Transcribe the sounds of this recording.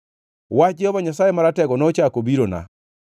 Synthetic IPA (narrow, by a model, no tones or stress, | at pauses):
wat͡ʃɪɔβaɲasajemaɾatɛɡɔnɔt͡ʃakobiɾona̰